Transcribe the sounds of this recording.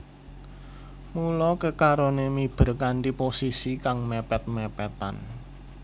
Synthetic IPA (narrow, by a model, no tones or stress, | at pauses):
mulɔkəkaɾonemib̥ə̤ɾkanʈ̪iposisikaŋmepɛt̪̚mɛpɛt̪a̰n